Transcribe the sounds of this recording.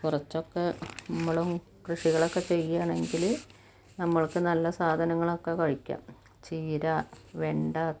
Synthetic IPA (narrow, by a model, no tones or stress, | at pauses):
kurɐt͡ɕːo̞kːe̞nɐmːɐɭum | krɨʂiɣɐɭo̞kːe̞t͡ɕe̞jːaːɳe̞ŋɡil | nɐmːɐɭkɨnɐlːɐsaːd̪ʱɐnɐŋːɐɭokːekɐɻikʲːa̰ːm | t͡ɕiːɾaʋeɳɖaː